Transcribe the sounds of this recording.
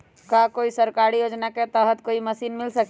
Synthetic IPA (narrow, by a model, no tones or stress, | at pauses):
kakoisəɾkaɾijod͡ʒnaket̪əɦət̪koiməsinmilsək